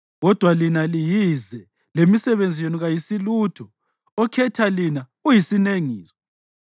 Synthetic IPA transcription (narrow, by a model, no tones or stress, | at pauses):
ɣɔd̥ʱwalinalijizɛ | lemisɛβend͡zʱijenuɣajisilutʰɔ | ɔkʰɛtʰalina | ujisineŋiːzɔ̥